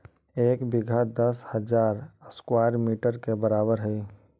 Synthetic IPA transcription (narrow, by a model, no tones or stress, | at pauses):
eːkbɪɡʱad̪əshəd͡ʒaːɾəskwaːɾmiːʈəɾkebəɾaːbəɾɦɛ